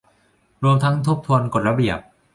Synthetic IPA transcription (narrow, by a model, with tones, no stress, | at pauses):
ɾu˧əmt̪ʰa˦˥ŋt̪ʰo˦˥˩p̚t̪ʰu˧ənko˨˩t̪̚ɾa˧bi˨˩əp̚